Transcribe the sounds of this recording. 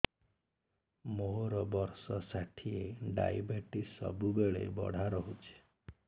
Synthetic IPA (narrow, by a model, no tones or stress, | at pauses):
moɦoɾɔbɔɾsɔsaʈʰieɖa̰jbeʈisɔ̰bubeɭḛbɔ̰ɽ̤ʱaɾɔɦut͡ʃʰi̥